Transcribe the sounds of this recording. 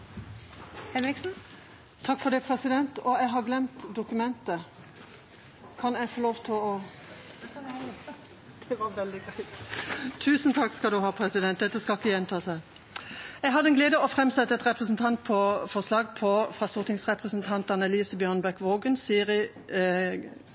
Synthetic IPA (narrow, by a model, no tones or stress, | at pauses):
hɛnɾɪksn̩ | t̪ʰɑkːfɔd̪ɛpʰɾɛsɪd̪ɛnt̪ɔɛɦɑɡlɛmt̪d̪ʊkʉmɛnt̪ə | kʰɑnɛɪfoːloːʋt̪ʰɪlɔ | d̪̥ɛʋɑʋɛld̪ɪɡɾæɪt̪t̪ʰʉːsənt̪ʰɑkːskɑld̪ʉɦɑːpʰɾɛsɪd̪ɛn̚d̪ɛt̪ːəskɑkːəjɛnt̪ʰɑːsæɪ | ɛɡɦɑd̪əɛnɡleːd̪əɔfɾɛmsɛt̪ːəɛt̪ʁɛpʁəsn̩t̪ʰɑnt̪̚pʰɔfɔʁslɑːɡpʰɔfʁɑːst̪uːʁt̪ʰɪŋsʁɛpʁəsənt̪ʰɑnt̪ɑnɛliːsəbjœːʁnbæʁkʋoːɡənsiːəɾɪ